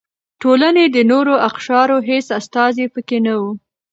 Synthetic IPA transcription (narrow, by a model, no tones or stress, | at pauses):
ʈolaned̪ənoɾoʔaqʃɑɾoɦesast̪ɑzepəkenawu